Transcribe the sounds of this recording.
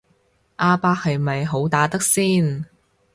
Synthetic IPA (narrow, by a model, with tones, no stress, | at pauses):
ʔaː˧paː˧k̚hɐ˨jmɐ˨jɦo˨˥wt̪aː˨˥t̪ɐ˥k̚siː˥n